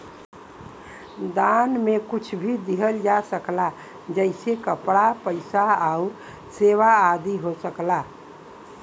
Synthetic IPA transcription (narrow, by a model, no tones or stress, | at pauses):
d̪anmekut͡ʃʰbʱid̪iɦəld͡ʒasəkla | d͡ʒəɪsekəpɽapəɪsaaʊɾ | seʋaːd̪iɦosəkla